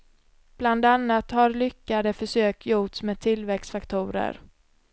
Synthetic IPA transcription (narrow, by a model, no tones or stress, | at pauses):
b̥land̪anːat̪haɾlʏkːad̪əfœʂøːkʰjuːt̪smeːd̪̚t̪ʰɪlvɛksfakt̪ʰuːɾə̰ɾ